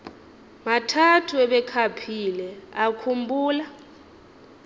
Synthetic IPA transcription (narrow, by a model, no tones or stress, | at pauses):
matʰatʰuɛɓɛkʰapʰilɛakʰumbʱuːla